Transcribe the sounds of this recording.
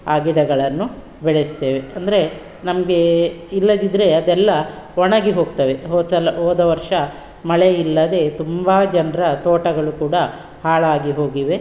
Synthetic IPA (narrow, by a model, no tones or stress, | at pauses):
aːɡiɽɐɡɐɭɐnːu | bɛɭest̪eːʋeɐnd̪ɐɾe̞ | nɐmɐɡe̞ilːɐd̪id̪ɾe̞ɐd̪ɛlːɐ | ɔɳɐɡiɦo̞ːɡ̚t̪ɐʋe̞ɦoːsɐlɐɦoːd̪ɐʋɐɾʂɐ | mɐɭeilːɐd̪e̞t̪umbaːd͡ʒɐnɾɐt̪oːʈɐɡɐɭukuːɽɐ | haːɭaːɡiɦo̞ːɡiʋe̞